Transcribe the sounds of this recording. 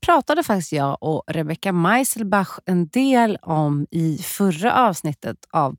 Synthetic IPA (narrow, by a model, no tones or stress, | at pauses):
pʰɾɑːt̪ad̪əfak̚t̪ɪst̪jɑːʔɔɾɛbɛkːamajsəlbaxɛnd̪eːlɔmɪfɵɾːa̰ʔɑːvsnɪt̪ːət̪av